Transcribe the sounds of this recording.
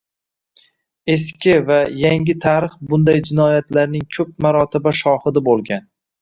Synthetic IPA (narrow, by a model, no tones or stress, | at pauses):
e̞skʲɪvajaŋʲɪt̪ʰaɾɨχbʊnd̪ajd͡ʒɪnɒjat̪laɾnɪŋkʲʰɵp̚maɾɒt̪ʰɪbaʃɒhɨd̪abolˠɡʲan